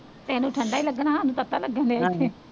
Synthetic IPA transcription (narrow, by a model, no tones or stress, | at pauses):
t̪ɛːnũːʈʰəɳɖaːiːləɡnãːɦaːnũːt̪ət̪aːləɡɛːndee